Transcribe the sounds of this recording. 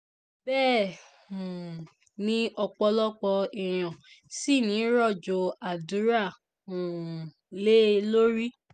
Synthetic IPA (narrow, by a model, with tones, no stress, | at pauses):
bɛː˦˨ | ũ˨ | nĩ˦ɔ˧k͡pɔ˧lɔ˦k͡pɔ˧ɛ˨j̃ɔ̃˨ | si˦˨nĩ˨˦ɾɔ˦˨d͡ʒo˧a˨du˨˦ɾa˦˨ | ũ˨ | le˦lo˦ɾi˦